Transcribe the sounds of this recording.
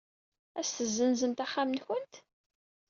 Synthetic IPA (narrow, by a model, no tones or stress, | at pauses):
æsθəzːənzənt̪æχːamənçənt̪